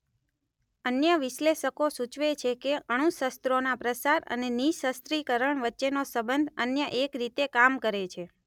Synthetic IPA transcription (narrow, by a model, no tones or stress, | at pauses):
ənjəʋɪʃleʃəkosut͡ʃʋet͡ʃʰekeəɽ̃ũsəst̪ɾonapɾəsaɾə̰neniʃəst̪ɾikəɾəɳ̃ʋətːʃenosəbənd̪ʱənjəʔekɾit̪ekamkəɾet͡ʃʰe